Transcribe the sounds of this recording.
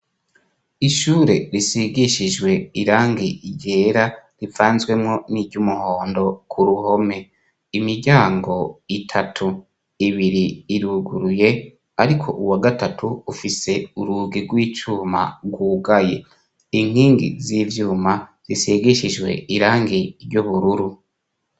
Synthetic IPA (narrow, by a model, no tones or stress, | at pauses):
iʃuːɾe̞ɾisiɡiʃiʒwe̞iɾaːŋɡiiɟeːɾaɾivaːnzɡwe̞mŋo̞niːɟumuhoːndo̞kʰuɾuho̞me̞ | imiɾɟaːŋɡo̞itʰatʰu | iβiɾiːɾuɡuɾuje̞ | aɾikʰo̞̰ʔuwaɡatatʰuufise̞uɾuːɡiɡwiːt͡ʃuːma̰ɡwuɡaje̞̰ | iŋ̥hiːŋɡḭziːvjuːmaz̥iseɡiʃiʒɡwe̞iɾaːŋɡiɾɟuβuɾuɾu